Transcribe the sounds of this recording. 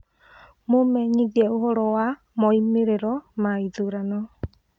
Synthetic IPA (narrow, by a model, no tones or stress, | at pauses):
mumɛɲiɡɛʔuɦɔɾɔa | mɔjmiɾɛɾɔmajd͡ʒuɾanɔ